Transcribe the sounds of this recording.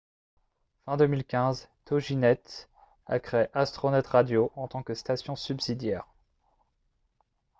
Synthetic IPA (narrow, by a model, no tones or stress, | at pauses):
fɛ̃d̪əmilkʲɛ̃zt̪ɔʒinɛt̪ | a̰kχeeʔast̪χɔnɛt̪ʁad̪joʔɑ̃t̪ɑ̃kəst̪asjɔ̃sybsid̪jɛːʁ